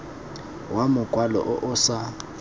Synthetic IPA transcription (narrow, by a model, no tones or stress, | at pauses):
wamʊkʼwalɔ̰ʔɔʔʊːsa